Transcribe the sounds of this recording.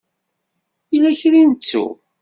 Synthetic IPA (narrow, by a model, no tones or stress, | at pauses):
ilæçɾinət͡sːṵ